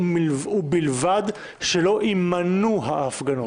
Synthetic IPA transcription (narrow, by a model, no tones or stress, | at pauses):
ubilvad̪ | ʃelo̞ʔimanuɦaːfɡano